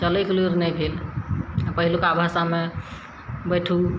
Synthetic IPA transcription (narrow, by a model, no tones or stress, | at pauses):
t͡ʃələkliɾnɛjbʱel | pəɦilukabʱasame | bəjʈʰu